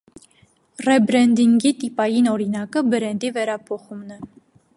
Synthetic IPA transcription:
rɛbɾɛnd̪iŋɡit̪ipɑjinɔɾinɑkəbəɾɛnd̪ivɛɾɑpʰɔχumnɛ

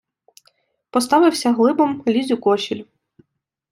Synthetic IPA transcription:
pɔst̪ɑʋɪwsʲɐɦlˠɪbɔmlʲizʲʊkɔʃʲilʲ

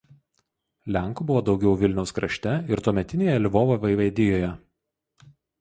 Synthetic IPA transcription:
lʲæˑŋˑkuːbʊʋoːd̪ɒʊɡʲɛʊʋʲɪlʲnʲɛʊskɾɐʃʲt̪ʲɛɪɾt̪uːmʲɛt̪ʲɪnʲeːjɛlʲɪʋoːʋoʋʲɐɪʋɐɪd̪ʲɪjoːjɛ

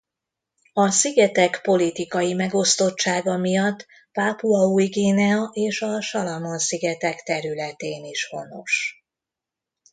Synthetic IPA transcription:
ɒsiɡɛt̪ɛkpo̞lit̪ikɒjimɛɡo̞st̪o̞t͡ʃt͡ʃːaːɡɒmijɒt̪ː | paːpuɒuiɡeːnɛɒʔeːʃɒʃɒlɒmonsiɡɛt̪ɛkt̪ɛɾylɛt̪eːniʃho̞no̞̰ʃ

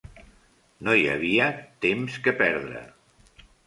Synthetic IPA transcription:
nojə̰β̞iət̪emskəpɛɾðɾə̰

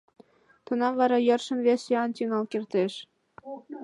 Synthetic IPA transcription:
t̪ɤ̆nɑvɑɾɑjɤrʃə̆nvʲesɑnt̪ʲyŋɑlkirt̪eʃ

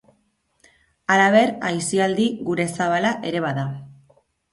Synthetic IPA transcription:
alaβe̞ɾajsiald̪iɣuɾe̞saβ̞alaʔe̞ɾe̞βaða

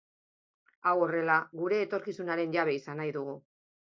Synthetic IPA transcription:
awo̞re̞laɣuɾe̞ːt̪o̞ɾkisunaɾe̞nʝaβ̞e̞isanajðuɣ̞u

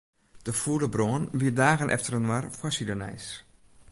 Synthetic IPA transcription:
d̥əfuələbroənʋiədaːɣənʔɛ̰ftərənwarfwasidənɛ̰js

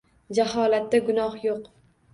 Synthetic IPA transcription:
d͡ʒaɦɒlat̪ːaɡʊnɒhjoq

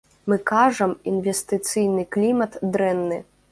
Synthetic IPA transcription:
mɨkaʐɐminvʲɛst̪ɨt̪sɨjnɨklʲimɐt̪d̪ɾɛnːɨ

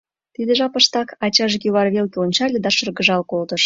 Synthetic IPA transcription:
t̪id̪ə̆ʒɑpəʃt̪ɑkɑt͡ɕɑʒekʲyβɑrβelkʲeonʲt͡ɕɑlʲed̪ɑʃə̆rɣəʒɑlkolt̪ə̆ʃ

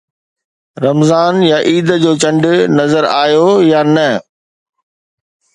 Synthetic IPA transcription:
ɾɐmzaːnjaʔiːd̪d͡ʑoːt͡ɕɐ̃ɳɖnɐzəɾaːjojanɐ

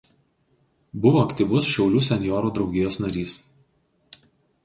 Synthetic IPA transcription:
bʊʋoːɐkt̪ʲiːˑʋʊsʃʲɛʊlʲuːsʲɛnʲjɔːɾuːd̪ɾɒʊɡʲɪjoːsnɐɾʲiːs

